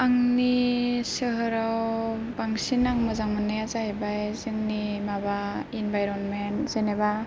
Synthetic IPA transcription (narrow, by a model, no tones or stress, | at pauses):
aŋnisɯɦɯɾaw | baŋsinaŋmɯzaŋmɯnɯjazaɦajbajzɯŋnimabainbajɾɔnmenz̥eneba